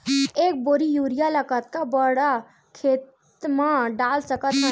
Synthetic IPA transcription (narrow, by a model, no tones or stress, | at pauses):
eːk̚boɾijuːɾijaləkət̪kabəɽa | kʰeːt̪ | mãɖaːlsəkət̪ɦ